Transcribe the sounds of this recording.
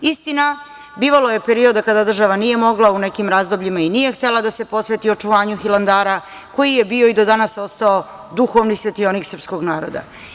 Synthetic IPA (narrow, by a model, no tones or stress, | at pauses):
ist̪ina | biːʋalo̞jepe̞ɾio̞d̪akad̪ad̪r̩ʒaʋanije̞mo̞ɡlaune̞kimɾaːzd̪o̞bʎimainije̞xt̪elad̪ase̞po̞sʋe̞t̪io̞t͡ʃuʋaːɲuxiland̪aːɾa | ko̞jije̞bio̞id̪o̞d̪anaso̞st̪ao | d̪uxo̞ʋnisʋe̞t̪ioniksr̩psko̞ɡnaːɾo̞̰d̪a̰